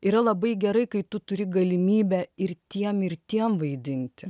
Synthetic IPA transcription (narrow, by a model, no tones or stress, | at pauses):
iːɾɐlˠɐbɐɪɡʲɛɾɐɪkɐɪt̪ʊt̪ʊɾʲɪɡɐlʲɪmʲiːbʲæɪɾt̪ʲiɛmɪɾt̪ʲiɛmʋɐɪd̪ʲɪnʲt̪ʲɪ